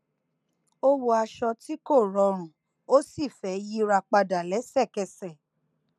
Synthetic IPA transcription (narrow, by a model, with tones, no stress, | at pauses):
o˦wo˧a˧ʃɔ˧ti˦ko˦˨ɾɔ˧ɾ̃ũ˨ | o˦si˦˨fɛ˨˦ji˦ɾa˧k͡pa˧da˨lɛ˨˦sɛ˦˨kɛ˧sɛ˨